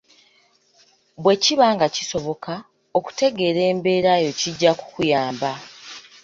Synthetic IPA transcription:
βwe̞ciβaːŋɡaciso̞βo̞kʰa | o̞ku̥te̞ɡe̞ːɾe̞ːmbe̞ːɾajo̞ciɟːaku̥kujaːmba

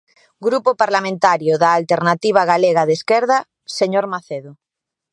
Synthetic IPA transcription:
ɡɾupopaɾlamẽnt̪aɾjoðaːlt̪eɾnat̪iβ̞aɣaleɣaðeskɛɾð̞a | seɲoɾmaθeðo

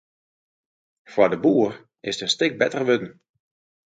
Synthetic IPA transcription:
fwadəbuːər | ɪsdənstɪk̚bɛtərʋødn̩

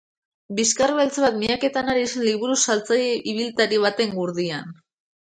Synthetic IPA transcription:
biskarβelt͡saβat̪miake̞t̪anaɾisenliβuɾusalt͡sajʔiβ̞ilt̪aɾiβ̞at̪e̞ŋɡuɾðian

